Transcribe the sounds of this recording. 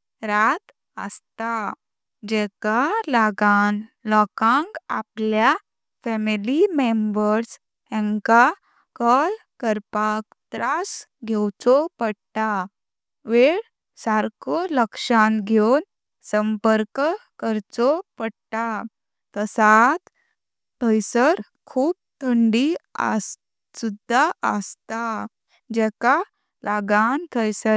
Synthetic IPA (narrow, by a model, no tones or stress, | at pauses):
ɾat̪ | ə̰st̪a | d͡ʑɛkalaɡan | lɔkãŋka̰plja | fɛmilimembəɾs | ɛ̃ŋka | kɔlkəɾpak̚t̪ɾasɡʱewt͡sɔpəɽt̪a | ʋeɽ | saɾkɔləkʂanɡʱown | səmpəɾkkəɾt͡sɔpəɽt̪a | t̪əsat̪ | t̪ʰəjsəɾ | kʰuːp̚t̪ʰəɳɖiə̰s | sud̪ʱːaə̰st̪a | d͡ʑɛka | laɡant̪ʰəjsə